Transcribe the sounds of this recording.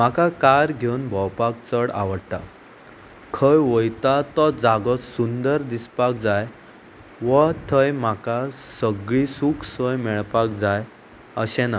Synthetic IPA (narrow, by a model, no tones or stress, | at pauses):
makakaɾɡʱewnbʱɔwpakt͡səɽa̰ʋəɽʈ̪a̰ | kʰəjʋəjt̪at̪ɔd͡zaɡɔsund̪əɾd̪ispak̚d͡zaj | ʋət̪ʰəjmakasəɡɭisukʰsəjmɛɭpakd͡zaj | əɕɛ̃na